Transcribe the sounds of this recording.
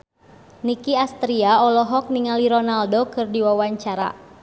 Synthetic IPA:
nikiast̪ɾiaɔlɔɦɔk̚niŋaliɾɔnaldokɨrdiwawaɲt͡ʃaɾa̰

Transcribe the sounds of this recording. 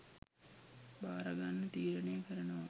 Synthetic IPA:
baːɾaɡanːət̪iːɾənejkəɾənəʋa

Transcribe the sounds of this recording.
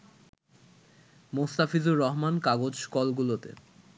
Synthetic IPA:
most̪afizuɾːɔɦmankaɡod͡ʑʃkɔlɡulot̪ḛ

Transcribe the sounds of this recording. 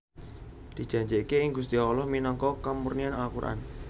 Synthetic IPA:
d̪̥i̤̥d͡ʒ̥ä̤ɲd͡ʒekeɪŋɡus̬t̪iɔlɔhminɔŋkɔkamurnianakuɾʔa̰n

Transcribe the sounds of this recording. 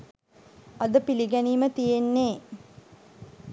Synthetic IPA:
ɐd̪əpiliɡæniːmət̪ijenːeː

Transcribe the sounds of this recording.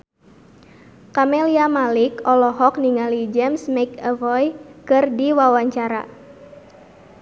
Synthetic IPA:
kameliamalɪkɔlɔɦɔk̚niŋalid͡ʒɛmsmekəvɔjkɨrdiwawaɲt͡ʃaɾa̰

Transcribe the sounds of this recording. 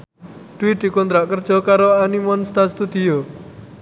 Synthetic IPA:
ɖ̪̥uid̪̥i̤kɔnt̪ɾaʔkərd̥ʒ̥ɔkaɾoanimɔnst̪ast̪ud̪̥io

